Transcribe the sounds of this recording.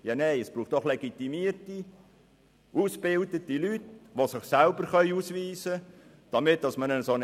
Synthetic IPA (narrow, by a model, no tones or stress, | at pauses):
jɑːnejəsb̥ɾuːχtd̥ɔχleɡ̥it̪imiərti | usb̥ɪldətilytʋosɪχsælbəɾχœʏusʋiːzə | d̥ɑmɪt̚ːd̥ɑsmənəson